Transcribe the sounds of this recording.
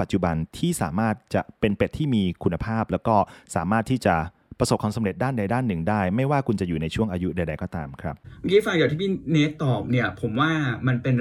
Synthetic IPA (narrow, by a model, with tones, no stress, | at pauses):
pa˨˩t̪̚t͡ɕu˨˩ba˧nt̪ʰiː˥˩sa̰ː˩˦maː˥˩t̪̚t͡ɕa˨˩ʔpe˧npe˨˩t̪ʰːiː˥˩miː˧kʰu˧nːa˧pʰaː˥˩p̚lɛː˦˥wkɔː˥˩saː˩˦maː˥˩t̪ʰːiː˥˩t͡ɕa˨˩ | pɾa˧so˨˩p̚kʰa˧msa˨˦mɾe˨˩t̪̚daː˥˩nda˧jdaː˥˩nːɯ˨˩ŋdaː˥˩jma˥˩jwaː˥˩kʰu˧nt͡ɕa˨˩juː˨˩na˧jt͡ɕʰu˥˩əŋʔaː˧ju˦˥da˧jda˧jkɔː˥˩t̪aː˧mkʰɾa˦˥p̚m˧kiː˦˥fa˧ŋjaː˨˩t̪ʰiː˥˩pi˥ne˦˥tt̪ːɔː˨˩p̚ni˥˩ɐpʰo˩˦mwaː˥˩ma˧npe˧n